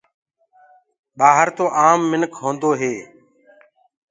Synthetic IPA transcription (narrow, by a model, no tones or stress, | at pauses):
ɓaːɦəɾt̪oːʔaːmːɪnkʰɦõːnd̪oːɦeː